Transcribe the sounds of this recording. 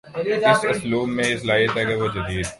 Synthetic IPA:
ɪsʊsluːmːẽɪslaːɪt̪ɛɡɛʋod͡ʒɐd̪iːd̪

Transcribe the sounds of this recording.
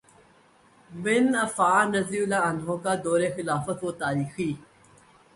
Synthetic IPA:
bɪnɐfaːnɐzɾiːlaːɐnɦõːkaːd̪oːɾexɪlaːfət̪oːt̪aːɾiːxiː

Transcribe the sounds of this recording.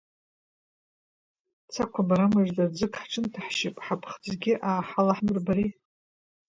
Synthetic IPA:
t͡sʰakʷʰabaɾamaʐdad͡zɨkʰħʈ͡ʂʰɨntʰaħʃipʼħapʰχd͡zɡʲɪʔaːħalaħmɨrbaɾi

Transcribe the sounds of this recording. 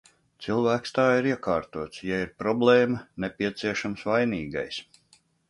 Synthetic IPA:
t̪silˠvæːkst̪aːiɾiɛkaːɾt̪uɔt̪sjaiɾpɾɔblˠeːmɐnepʲiɛt̪siɛʃamsvajniːɡa̰js

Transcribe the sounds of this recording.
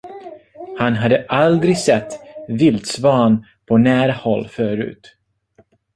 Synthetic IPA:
hanɦad̪ːəʔald̪ɾɪɡsɛt̪ːvɪld̪svɑːn | pʰɔnæːɾahɔlːfœːɾʉ̟̰ːt̪

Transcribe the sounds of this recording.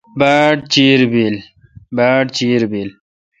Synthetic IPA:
baʈt͡ɕiɾbil | baːʈt͡ɕiːɾbil

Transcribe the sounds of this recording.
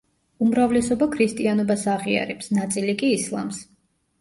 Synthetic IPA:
umɾavlɛsɔbakʰɾist̪ʼianɔbasaʁia̰ɾɛpsnat̪sʼilikʼiːslˠa̰ms

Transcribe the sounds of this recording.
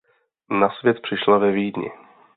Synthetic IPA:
nasvjɛt̪̚pr̝̥ɪʃlavɛviːdɲɪ̰

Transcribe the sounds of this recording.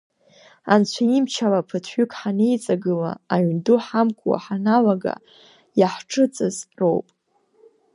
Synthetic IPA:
a̰nt͡ɕʷʰaimt͡ʃʰalapʰɨtʰʏkʰʼħanejt͡sʼaɡɨla̰ːɥnduħamkʷʰʼwa̰ħanalaɡa̰ | jaħʈ͡ʂʰɨt͡sʼɨzo̰wpʼ

